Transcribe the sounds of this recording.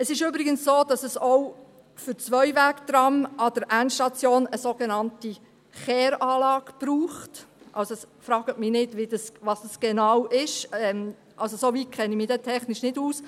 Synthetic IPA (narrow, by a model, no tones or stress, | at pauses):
əsɪʃybɾɪɡənssoːd̥ɑsəsɔw | fʏɾt͡sʋœʏvæːkd̥̪ɾɑmɑd̥əɾʔænʃtɑt͡sjoːnəsoɡenɑnti | χɛːɾɑːlɑːɡb̥ruːχtʔɑ̰lsoɛsfɾɑːɡ̥ətmɪnɪdʋid̥ɑsʋɑsd̥ɑsɡ̥enɑwʔɪʃɛm | ʔɑlsosoviːkʰɛnimɪːdɛtʰɛχnɪʃnɪduːs